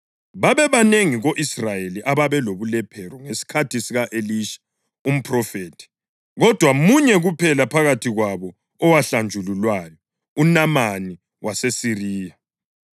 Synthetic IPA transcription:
βaβɛβaneŋiɣoʔisrajeliʔaβaβɛloβulɛpʰɛɾɔŋesi̥kʰatʰisiɣaʔeliʃḁ | um̩pʰʼrɔfeːtʰi̥ | ɣɔd̥ʱwamuɲɛɣupʰɛlapʰaɣatʰiɣwaβɔ | ɔwaɬand͡ʒʱululwajɔ | unamani | wasesiriːja

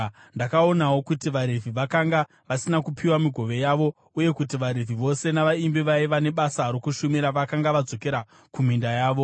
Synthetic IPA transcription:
ndakao̞nawo̞kutiʋaɾevʱiʋakaŋɡa | ʋasinakupʰiwamiɡʱo̞ʋe̞jaʋo̞ | uje̞kutiʋaɾeviʋo̞se̞naʋaimbiʋaiʋane̞ɓasaɾokuʃumiɾaʋakaŋɡaʋad͡zo̞ke̞ɾa | kum̤indajaːʋo̞

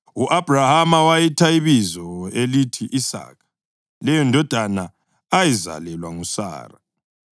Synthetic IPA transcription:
uʔab̥ʱrahamawajitʰaiβizɔelitʰiʔisa̰ːkʰḁ | lɛjɔndʱɔd̥ʱana | ajiza̰lɛlwaŋusa̰ːra

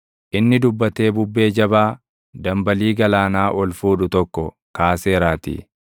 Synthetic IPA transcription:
ʔɪnːɪd̪ʊbːɐt̪e̞ːbʊbːe̞ːd͡ʒɐbaː | d̪ɐmbɐliːɡɐlaːnaːʔɔlfuːᶑʊt̪ɔkːɔ | kaːse̞ːɾaːt̪ḭ

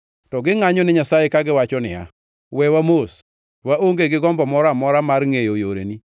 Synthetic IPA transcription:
tɔɡɪŋaɲɔnɪɲasajekaɡɪwat͡ʃɔnɪ̰a̰ | wɛwamos | waoŋɡeɡɪɡɔmbɔmɔɾamɔɾamarŋejojoɾḛni

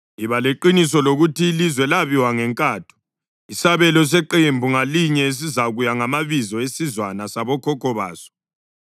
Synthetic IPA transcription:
iβaleǃinisɔloɣutiːlizwɛlaβiwaŋɛŋkʼatʰu̥ | isaβɛlɔs̬ɛǃembʱuŋaliɲɛes̬izaɣujaŋamaβizɔesizwanasaβɔkʰɔkʰɔβa̰ːsɔ̥

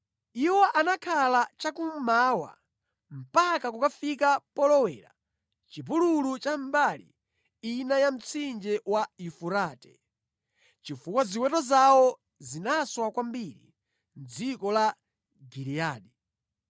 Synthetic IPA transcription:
iwɔʔanakʰalat͡ʃakum̩mawa̰ | m̩pakakukafikapɔlɔwɛ̰ːɾa̰ | t͡ʃip̬ululut͡ʃambalḭ | inajam̩t͡sʰind͡ʒɛwaifuɾaːtɛ̥ | t͡ʃifukwaziwɛtɔzawɔ | zinaswakwambiɾḭ | nd͡zikɔla | ɡiɾiaːɗi

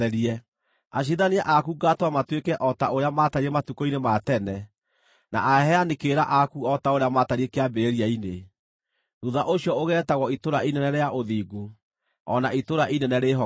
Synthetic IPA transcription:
ɛɾiɛ | aɕ̬iðaneaʔakuɡatwamatwekɛʔɔtaoɾeamataɾiematukɔinematɛnɛ | na̰ʔaɦɛanekeɾaʔakuɔtaoɾeamaːtaɾiekeabeeɾiaine | ðuðaʔoɕiɔoɣɛɾɛtaɣɔitoɾaʔinɛnɛɾeaʔoðiːɡu | ɔ̰naʔitoɾaʔinɛnɛɾeɦɔ

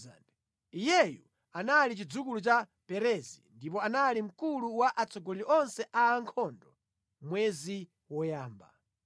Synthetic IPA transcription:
a̰ndɛ | ijɛjṵ | analit͡ʃid͡zukulut͡ʃa | pɛɾɛzḭndip̬ɔanalim̩kuluwaʔat͡sʰɔɡɔliʔɔnsɛʔaːŋkʰɔndɔ | mwɛzi | wɔjaːmba̰

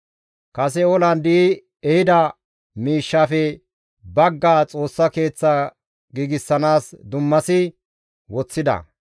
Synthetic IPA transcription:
kɐsɛɔlɐnd̪i | ɛhɪd̪ɐ | miːʃːaːfɛ | bɐɡːaːt͡sʼo̞ːsːɐke̞ːt͡sːɐ | ɡiːɡɪsːɐnaːsd̪ʊmːɐsɪ | wɔt͡sːɪd̪ɐ̰

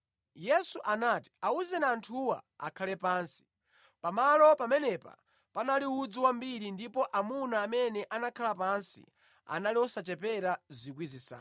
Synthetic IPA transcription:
jɛsuʔanati̥auzɛnaːntʰuwa̰a̰kʰalɛpaːnsi̥ | pamalɔpamɛnɛpa̰ | panaliud͡ziwambiɾindipɔʔamunaːmɛnɛʔanakʰalapansḭ | a̰naliɔsat͡ʃɛpɛɾazik̬wizisa̰ː

